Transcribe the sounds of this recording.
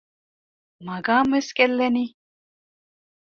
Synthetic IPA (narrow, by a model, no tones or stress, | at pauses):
mɐɡaːmeskelːɐni